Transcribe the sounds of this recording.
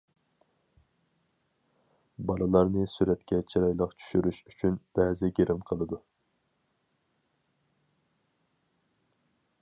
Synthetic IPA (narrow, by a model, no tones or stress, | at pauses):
bɑlˠɨlˠɑɾnɨsyɾɛt̪kʲɛt͡ʃʰiɾɑjlˠəqt͡ʃʰy̥ʃyɾyʃyt͡ʃʰynb̥ɛːzɪɡʲeɾʔɪmqʰəlˠɨd̪u